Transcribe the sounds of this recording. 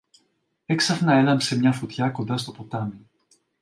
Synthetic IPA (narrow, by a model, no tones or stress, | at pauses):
eksafnaɛlamsemɲafot̪jakod̪ast̪opot̪ami